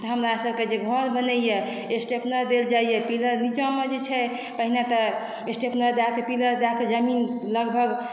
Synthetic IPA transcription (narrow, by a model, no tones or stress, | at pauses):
t̪ɔɦəmɾasəbʱked͡ʒeɡʱɔɾbənəjɛ | esʈepnəɾd̪eld͡ʒajjɛpiləɾnit͡ʃamed͡ʒet͡ʃʰɛ | pəɦinat̪ɔ | esʈepnəɾd̪akepiləɾd̪akʰed͡ʒəminləɡbʱəɡ